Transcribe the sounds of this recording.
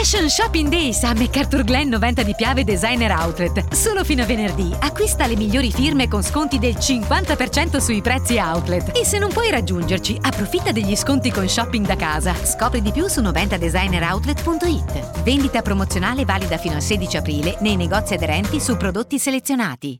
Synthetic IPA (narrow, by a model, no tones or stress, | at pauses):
ɛʃonʃɔpːiŋd̪ɛjsamːekːart̪urɡlɛnːovɛnt̪ad̪ipjaːved̪ezajneɾawt̪let̪soːlofiːnoavenerd̪iakːwist̪alemiʎːoːɾifirmekonskont̪id̪elt͡ʃiŋkwant̪apert͡ʃɛnt̪osuipɾɛt̪sːiawt̪let̪esːenːompwɔjɾad͡ʒːund͡ʒert͡ʃiapːɾofit̪ːad̪eʎːiskont̪ikonʃɔpːiŋɡd̪akaːzaskɔːpɾid̪ipjusunovɛnt̪ad̪ezajneɾawt̪let̪punt̪oit̪ːvend̪it̪apɾomot̪sːjonaːlevaːlid̪afiːnoalseːd̪it͡ʃiapɾiːlenejneɡɔt̪sːiad̪eɾɛnt̪isupɾod̪ot̪ːiselet̪sːjonaːt̪i